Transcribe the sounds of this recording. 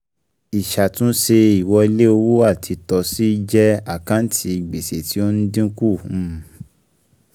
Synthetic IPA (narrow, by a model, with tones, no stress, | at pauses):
i˨ʃa˨tũ˦ʃe˧i˨wɔ˧i˧le˦o˧wu˦a˦˨tʰi˧tɔ˧si˦d͡ʒɛ˦a˦˨kã˦n̩˦tʰi˧i˨ɡ͡be˨se˨ti˨˦o˦n̩˦dĩ˦ku˦˨ũ˦˨